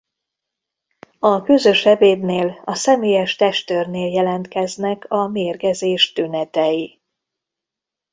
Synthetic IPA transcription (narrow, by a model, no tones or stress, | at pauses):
ɒkøzø̞ʃɛveːd̪neːlɒsɛmeːjɛʃt̪ɛʃt̪øːrneːljɛlɛnt̪kɛznɛkʰɒmeːrɡɛzeːʃt̪ynɛt̪ɛji